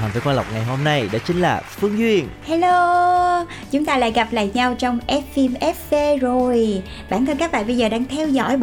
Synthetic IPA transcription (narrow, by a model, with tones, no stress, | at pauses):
ə˨˩nviː˨˦kwaː˧la˨˩wk͡p̚ŋa˨˩jɦo˧mna˧jɗa̰ː˧˥t͡ɕï˧˦ŋ̟laː˨˩fɨ˧˥əŋzwi˧ənha˧lo˧ | t͡ɕʊ˨˦ŋ͡mt̪aː˧la̰ː˧˨jɣa˨˩p̚la̰ː˧˨jɲa˧wt͡ɕɔ˧wŋ͡mʔɛ˦˥t̚fi˧mʔɛ˦˥p̚fe˧zo˨˩jj | ɓaː˧˩nt̪ʰə˧nkaː˦˥k̚ɓa̰ː˧˨ɓə˧jzəː˨˩ɗaː˧ŋt̪ʰɛ˧wzɔ̰˧˥j